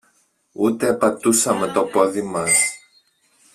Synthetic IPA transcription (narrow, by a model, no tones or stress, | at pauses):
ut̪eɐpɐt̪usɐme̞t̪o̞po̞ðimɐs